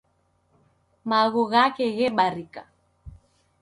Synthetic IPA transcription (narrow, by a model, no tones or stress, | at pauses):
maɣuɣakɛɣɛɓaɾika̰